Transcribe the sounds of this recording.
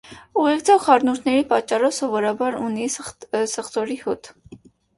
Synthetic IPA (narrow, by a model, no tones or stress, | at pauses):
uʁɛkt͡sʰɔʁχɑɾnuɾt̪ʰnɛɾipɑt͡ʃːɑrɔvsɔvɔɾɑbɑɾunisəχt̪ɔɾihut̪